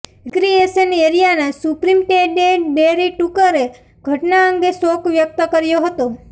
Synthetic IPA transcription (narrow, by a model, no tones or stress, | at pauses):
kɾieʃəneɾijanesupɾimʈeɖeʈbeɾiʈukəɾe | ɡ̥ʱəʈnaəŋɡesokʋjək̚t̪əkəɾjoɦət̪o